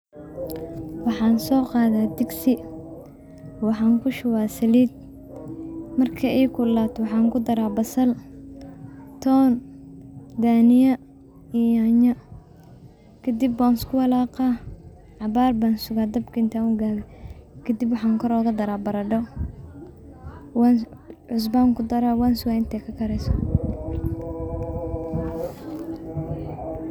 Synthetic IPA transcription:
wɑħɑːnsɔːqɑːðaːd̪ɪɡsɪ | wɑħɑːŋkʰʊʃʊwaːsɐliːd̪̚ | mɐrkʰɐɛjkʰʊlaːt̪ʰɔwɑħɑːŋkʰʊd̪ɐɾaːbɐsɐl | t̪ʰɔːn | d̪aːnɪjɐ | iaɲɐ | kʰɐd̪ibːɔːnskʰʊwɐlaːqɑː | ʕɑβaːrbaːnsʊɣaːd̪ɐbkʰiɪnt̪ʰaːʊɡaːɣɛkʰɐd̪ibwɑħɑːŋkʰɔɾɔːɣɐd̪ɐɾaːbɐɾɐɖɔw | wanʕʊs̬baːŋkʰʊd̪ɐɾaːwansʊwaːɪnt̪ʰɛkʰɐkʰɐɾɛsɔ

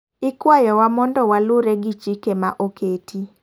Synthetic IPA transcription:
ɪkwajɔwamɔndɔwalʊɾeɡit͡ʃikemaʔokʰetʰi

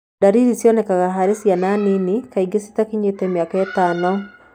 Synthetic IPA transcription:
daɾiɾisjɔnɛkaɣaɦaɾesjananinikaiɡesi̥takiɲetɛmiakaɛtaːnɔ

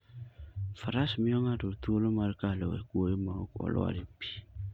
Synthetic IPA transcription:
faɾasmiɔŋadotuolomaɾkalewa̰kuoemaŋokɔ̰lɔ̰a̰ɾepi̥

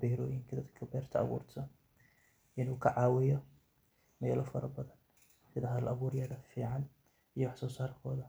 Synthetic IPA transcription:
bɛːɾɔːjɪŋkʰɐd̪ɐd̪kʰɐbɛːrt̪ʰɐɐ̰βṵːrt̪ʰɐ | ʔɪnuːkʰɐʕɑːwɪjɔ | mɛːlʔɔfɐɾɐbɐðɐn | sɪðɐɦɐðɐlʔɐβuːɾjɐðɐfiːʕɑn | ʔijɔwɑħsɔːsaːrkʰɔːðɐ

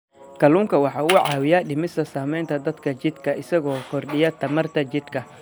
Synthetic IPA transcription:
kʰɐluːŋkʰɐwɑħɑːʊːʕɑːwɪjɐɗɪmɪsɐsaːmɛjnt̪ʰɐd̪ɐd̪kʰɐt͡ʃɪd̪kʰɐɪsɐɣɔːkʰɔrɗɪjɐt̪ʰɐmɐrt̪ʰɐt͡ʃɪd̪kʰɐ

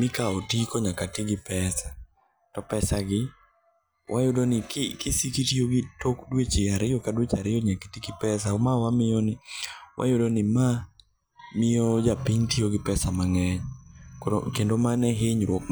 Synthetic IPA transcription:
mɪkaotikɔɲakatɪɡɪpɛsa | tɔpɛsaɡɪ | wʔajʊdonɪkɪkɪsikitioɡɪtokdwet͡ʃɪaɾɪokadwet͡ʃaɾɪoɲakitiɡɪpɛs̬aomawamɪjɔnɪwʔa̰jʊdonɪma | mɪod͡ʒapiɲtioɡɪpɛsamaŋɛɲkoo̰kendomanɛɦeɲɾwɔk̚

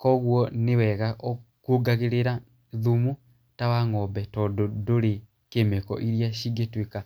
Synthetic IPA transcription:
kɔɣwɔnewɛɣaʔɔkuɡaɣeɾeɾa | ðumu | tawaŋɔbɛtɔdodoɾe | kemekɔ̰ʔiɾjaʃiɡetwika

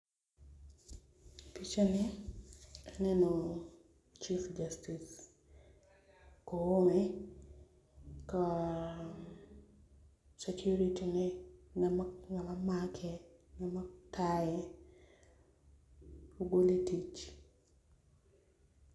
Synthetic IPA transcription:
pit͡ʃanɛ | nɛno | t͡ʃifd͡ʒastis | koomɛ | ka | sekʰuɾitinɛnamaŋamamakʰɛŋamatajɛ | oɡoletit͡ʃ

